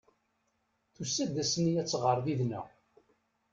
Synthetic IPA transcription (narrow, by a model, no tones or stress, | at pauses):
θusːæd̪ːæsniæt͡sːʁəɾˤðiðnæ̰